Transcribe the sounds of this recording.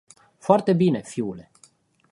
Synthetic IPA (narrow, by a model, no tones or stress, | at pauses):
foart̪e̞bine̞fiule̞